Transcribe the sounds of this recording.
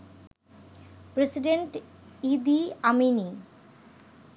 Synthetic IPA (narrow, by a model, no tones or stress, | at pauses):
pɾesiɖeɳʈ | id̪iamini